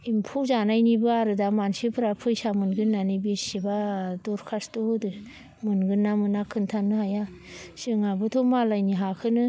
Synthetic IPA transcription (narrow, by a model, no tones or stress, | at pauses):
impʰuzanajnibɯaɾɯdamansɯpʰɯɾapʰɯjsamɯnɡɯnːanɯbesibadɔɾkʰastodɯ | mɯnɡɯnːamɯnakʰɯntʰanɯhaja | sɯŋabɯtʰɔmalajniɦakʰɯnɯ